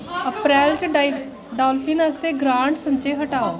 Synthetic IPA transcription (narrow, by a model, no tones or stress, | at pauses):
əpɾɛːlt͡ʃɖi | ɖaːlfʰiːnəst̪eːɡɾãːɳʈsə̃nt͡ʃeːɦəʈaːoː